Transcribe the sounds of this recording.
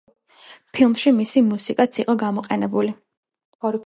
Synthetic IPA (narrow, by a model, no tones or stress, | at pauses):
pʰilˠmʃimisimusikʼat̪sʰiqʼɔɡamɔqʼɛnɛbuli | ɔɾ